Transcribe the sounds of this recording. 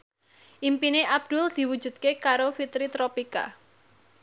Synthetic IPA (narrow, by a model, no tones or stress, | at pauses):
ʔimpineʔab̚d̪̥uld̪̥i̤wud̥ʒ̥ṳd̪̥̚kekaɾofit̪ɾit̪ɾopika̰